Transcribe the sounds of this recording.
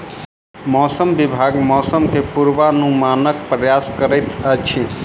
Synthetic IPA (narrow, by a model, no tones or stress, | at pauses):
mɔsəmbibʱaɡmɔsəmkʰepuɾʋanũmanək̚pɾəjaskəɾəjt̪ət͡ʃʰi